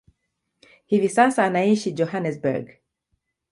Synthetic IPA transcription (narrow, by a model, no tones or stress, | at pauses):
hivisasaːnaiʃid͡ʒɔhanɛsbɛ̰ɹɡ